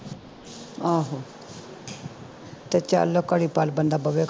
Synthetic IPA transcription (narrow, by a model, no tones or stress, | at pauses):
aɦo | t̪et͡ʃa̰lːokaɽipalbənd̪abəʋek